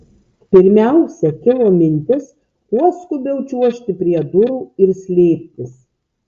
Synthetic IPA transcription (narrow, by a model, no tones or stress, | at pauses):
pʲɪɾʲmʲæˑʊsʲɛkʲɪlˠoːmʲɪnʲt̪ʲɪs | puɔskʊbʲɛʊt͡ʃʲuɔʃʲt̪ʲɪpʲɾʲiɛd̪ʊɾuːɪɾsʲlʲeːpʲt̪ʲɪs